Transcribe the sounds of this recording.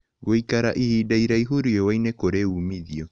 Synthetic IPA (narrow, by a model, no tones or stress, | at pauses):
ɣoikaɾaʔihiːdaiɾaiɦuɾuewainekoɾeumiðiɔ